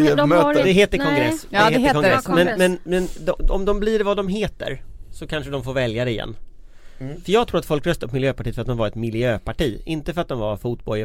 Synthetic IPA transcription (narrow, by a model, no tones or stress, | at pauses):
ød̪ɛɦeːt̪əɾkʰɔŋɡɾɛsːd̪ɛeːtəɾkʰɔŋɡɾɛsːmɛnmɛnmɛnd̪ɔɔ̰md̪ɔmbliɖvad̪ɔmɦeːt̪ə̰ɾsɔkʰanʂəd̪ɔmfoːɾvɛljad̪ɛɪjɛ̰nː | fœjɑːɡt̪ʰɾuːɾat̪fɔlkɾœst̪aɔt̪mɪljøːpaʈiːtfɾat̪̚d̪ɔmvaɾɛt̪mɪljøːpʰaʈiːɪnt̪əfœɾat̪̚d̪ɔmvaɾfuːt̪̚bɔ